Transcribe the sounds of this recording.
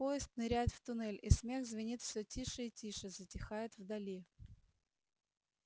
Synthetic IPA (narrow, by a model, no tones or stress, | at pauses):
pojɪst̪nɨɾʲæjɪt̪ft̪ʊnɛlʲismʲe̞ɣzvʲɪnʲit̪fsʲɵtʲiʂɨitʲiʂɨzətʲɪxajɪt̪vd̪ɐlʲi